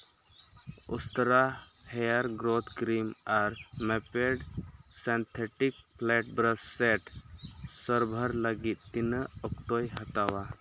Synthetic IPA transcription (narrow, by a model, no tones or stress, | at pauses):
ust̪əɾahɛjaɾɡɾot̪ʰkɾimaɾmɛpeɖsɛnt̪ʰeʈik | plɛʈ̚bɾəssɛʈ | səɾbʱəɾləɡit̪̚t̪inəɔkʈojɦət̪awa